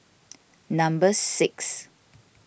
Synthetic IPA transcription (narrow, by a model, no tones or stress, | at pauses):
nãmbəsɪks